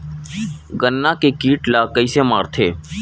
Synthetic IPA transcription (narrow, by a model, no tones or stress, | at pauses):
ɡənːãːkekiːʈlaːkəiːsemaːɾt̪ʰeː